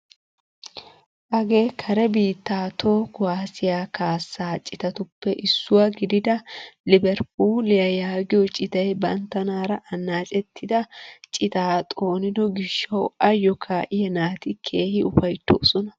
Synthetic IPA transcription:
ʔɐɡe̞ːkʰɐɾɛbiːt̪ːaːt̪ʰoːkwaːsɪjaːkaːsːaːt͡ʃʼɪt̪ɐt̪ʊpːɛʔɪsːʊwaɡɪd̪ɪd̪ɐlɪbɛɾp̚uːlɪjɐjaːɡɪjɔt͡ʃʼɪt̪ɐjbɐnt̪ːɐnaːɾɐʔɐnːaːt͡ʃʼɛt̪ːɪd̪ɐt͡ʃʼɪt̪aːt̪ʼo̞ːnɪd̪ɔɡɪʃːɐwɐjːɔkʰaːʔɪjɐnaːt̪ɪkʰe̞ːhɪʊfɐjt̪ːo̰ːsɔnɐ

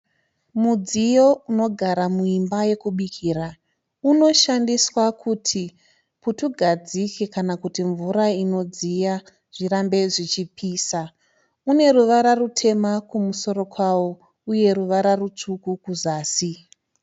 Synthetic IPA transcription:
mud͡zijo̞uno̞ɡʱaɾamuimbaje̞kuɓikʰira | uno̞ʃandiswakʰutʰi | putuɡʱad͡zike̞kanakutiɱvuɾaino̞d͡zija | ʐ̥iɾambe̞ʐit͡ʃipʰiːsa | une̞ɾuʋaɾarutʰe̞makumuso̞ɾo̞kwawo̞ | uje̞ɾuʋaɾarut͡ʂukukuzaːsi

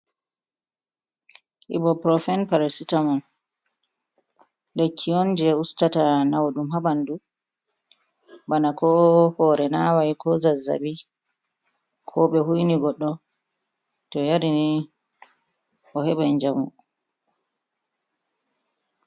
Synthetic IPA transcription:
ʔḭbɔpɾɔfɛnpaɾasitaman | lekʰːiɔnd͡ʒɛustatanawɗumhabandu | banakɔhɔːɾɛnawajkɔzazːa̰bi | kʰɔɓɛhujniɡɔɗːɔ | tɔjaɾini | ɔhɛɓand͡ʒamu

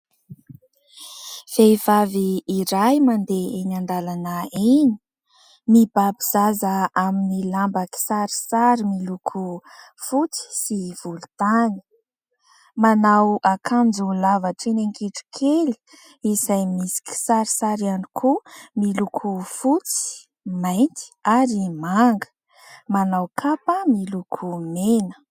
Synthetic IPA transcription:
fejv̥aviːɾajmand̪eenand̪alanəini̥ | mib̥abiz̥azəaminilambaki̥saɾi̥saɾimilukʰu | fut͡si̥siv̥ulut̪ani̥ | manawʔakʰand͡zulavaʈ͡ʂenaŋkiʈ͡ʂi̥kʰeli̥ | izajmisi̥ki̥saɾisaɾiani̥kʰumilukʰufut͡si̥ | majnt̪i̥aɾimaŋɡə̥ | manawkʰapəmilukʰumenə̥

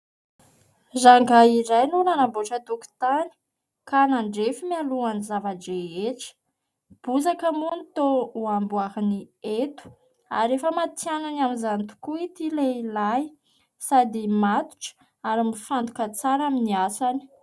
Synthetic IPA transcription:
zaŋɡaiɾajnunanaboʈ͡ʂət̪uku̥t̪ani̥ | kanaɳɖ͡ʐefimialuanizavaɖ͡ʐeeʈ͡ʂə̥ | b̥uzakəmunt̪ouambuaɦiniet̪u̥ | a̰ɾefəmat̪iananamizant̪u̥kuit̪ileilaj | sad̪imat̪u̥ʈ͡ʂə̥ | aɾimifant̪u̥kət͡saɾaminiasani̥

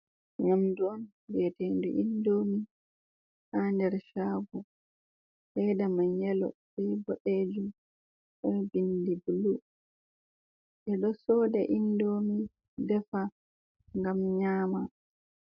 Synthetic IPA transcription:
ɲamduɔn | wɛtendṵʔindomi | handɛɾʃaːɡɔ | hɛdamaɲɛlɔ̰ɓɛjbɔɗed͡ʒum | ɗɔbindibulu | ʔɛɗɔsɔːdɛʔindomi | dɛfa | ŋɡamɲaːma

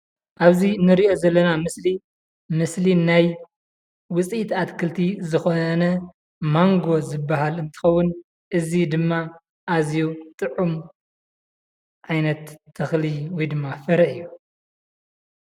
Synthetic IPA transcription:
ʔaβzinɨɾiʔo̞zɐlːɐnamɨsli | mɨslinaj | wʊt͡sʼit̪at̪kʰɨlt̪ʰizɨxo̞nɐ | maŋɡo̞zɨbːaɦalɨnt̪ʰɨ̥xɐwːʊn | ʔɨzid̪ɨmːa | ʔazjut̪ʼɨʕum | ʕajnɐt̪ʰːɐxliwɔjd̪ɨmːafɨɾɐʔɨjːu

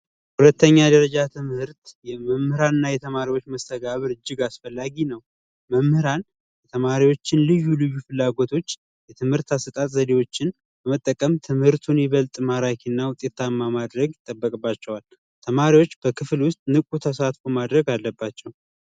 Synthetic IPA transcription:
hulət̪ːəɲːad̪əɾəd͡ʒat̪ʰɨmhɨɾt̪jɛməmhɨɾanɨnːajɛt̪ʰəmaɾiwot͡ʃːməst̪ʰəɡaβɨɾɨd͡ʒːɪɡasfəlːaɡinəw | məmhɨɾan | jɛt̪ʰəmaɾiwo̞t͡ʃːɪnlɨjːulɨjːufɨlːaɡo̞t̪ʰo̞t͡ʃː | jɛt̪ʰɨmhɨɾt̪asɨt̪ʼat̪ʼzəd̪ewo̞t͡ʃːɪn | b̥əmət̪ʼːəkʼəmt̪ʰɨmhɨɾt̪ʰunjɛβəlt̪ʼmaɾakʰinːawʊt̪ʼet̪ʰːamːamad̪ɾəɡjɪt̪ʼːəbːəkʼɨbːat͡ʃːɛwal | t̪ʰəmaɾiwo̞t͡ʃːb̥əkʰɨflwʊst̪ʼnɨkʼut̪ʰəsat̪fomad̪ɾəɡalːəbːat͡ʃːɛw

